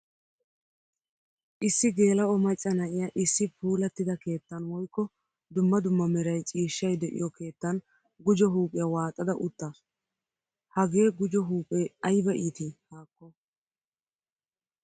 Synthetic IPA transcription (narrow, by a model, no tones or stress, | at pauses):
ʔɪsːɪɡe̞ːlɐʔɔmɐt͡ʃʼːɐnɐʔɪjaʔɪsːɪpʰuːlɐt̪ːɪd̪ɐke̞ːt̪ːɐnwɔjkːɔ | d̪ʊmːɐd̪ʊmːɐmɛɾɐjt͡ʃʼiːʃːɐjd̪ɛʔɪ̰jɔke̞ːt̪ːɐn | ɡʊd͡ʒɔɦuːpʼɪjɐwaːt̪ʼːɐd̪ɐʔʊt̪ːas | hɐɡe̞ːɡʊd͡ʒɔɦuːpʼeɐjbɐʔiːt̪ɪhaːkːɔ